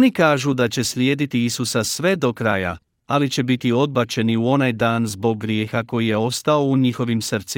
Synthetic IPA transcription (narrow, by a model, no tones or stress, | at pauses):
nikaːʒud̪at͡ɕe̞slje̞ːd̪it̪iisusasʋe̞d̪o̞kɾaːja̰ | alit͡ɕe̞bit̪io̞d̪̚bat͡ɕe̞niuo̞najd̪aːnzbo̞ɡːɾjeːxako̞jije̞o̞st̪ao̞uɲixo̞ʋimsr̩t̪si